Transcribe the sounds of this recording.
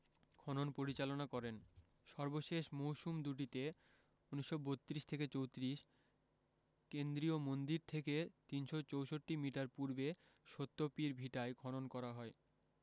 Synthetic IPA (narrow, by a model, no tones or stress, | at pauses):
ɡʰʱɔnonpoɾit͡ɕalonakɔɾen | ʃɔɾboʃeʃmowʃumd̪uʈ̬it̪e | uniʃːobot̪ːɾiʃt̪ʰeket͡ɕowt̪ɾiʃ | kend̪ɾiomond̪iɾt̪ʰeket̪inʃot͡ɕowʃoʈːimiʈaɾpuɾbe | ʃot̪ːopiɾbʱiʈaekʰɔnonkɔɾaɦɔe